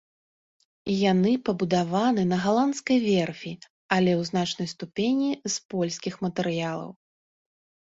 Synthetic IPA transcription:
janɨpɐbud̪avanɨnɐɣalˠant̪skɐjvʲɛrfʲi | ɐlʲɛwznat͡ʂnɐjst̪upʲenʲispɔlʲsʲkʲixmɐt̪ɛɾɨjalˠɐ̰w

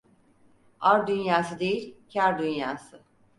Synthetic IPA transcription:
aɾd̪ynjaːsɯd̪ejilʲcʰæɾd̪ynjaːsɯ

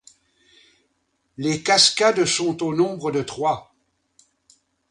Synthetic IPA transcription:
lekaskad̪sɔ̃t̪onɔ̃bʁəd̪ət̪χwa

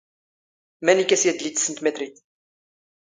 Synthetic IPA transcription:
mænikːæsjæd̪lit̪ːsənt̪met̪ɾit̪

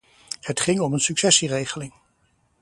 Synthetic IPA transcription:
hətχɪŋɔmənsyksɛsirejχəlɪŋ

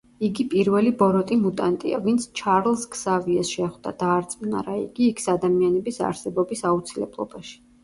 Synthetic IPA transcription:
iɡipʼiɾvɛlibɔɾɔt̪ʼimut̪ʼant̪ʼia̰vint̪sʰt͡ʃʰaɾlˠsksaviasʃɛχd̪a̰d̪̥aːɾt̪sʼmna̰ɾaḭɡ̥iːkʰsad̪amianɛbisa̰ɾsɛbɔbisaut̪sʰilɛ̰blˠɔ̰baʃi̥

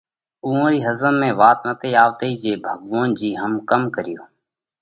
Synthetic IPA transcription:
uːõːɾiːɦəzənmẽːʋaːt̪nət̪eːjaːʋt̪eiːd͡ʒeːbʱəɡʋãːnd͡ʒiːɦəmkəmkəɾɪjoː

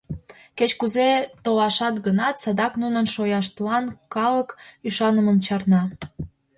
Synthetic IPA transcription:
ket͡ɕkuzet̪olɑʃɑt̪ɡənɑt̪sɑd̪ɑknunənʃojɑʃt̪lɑnkɑləkyʃɑnəməmt͡ɕɑrnɑ

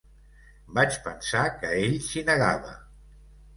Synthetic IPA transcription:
bat͡ʃpənsakəeʎsinəɣaβə̰

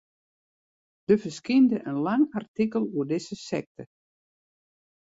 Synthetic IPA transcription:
d̥əfəskɪndəʔənlaŋartikəlˠuədɪsəsɛ̰k̚tə

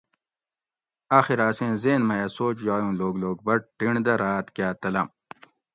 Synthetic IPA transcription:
aːxiɾaːsẽːzeːnmɐjɐsoːt͡ʃjaːjũːloːɡloːɡ̚bɐʈ̚ʈiɳd̪ɐɾaːt̪kjaːt̪ɐlɐ̰m

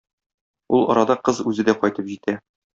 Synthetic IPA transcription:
ulˠɒ̰ɾɑd̪ɑqɤzʉzɘ̆d̪æqɒjt̪ɤpʑit̪æ

